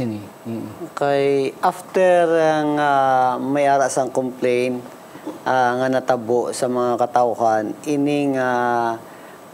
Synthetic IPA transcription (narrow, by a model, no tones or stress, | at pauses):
n | kajʔaft̪ɛɾaŋamɐjʔaːɾaʔsaŋkomplejn | ʔaŋanɐt̪ɐboʔsɐmɐŋakɐt̪awɦanʔɪnɪŋa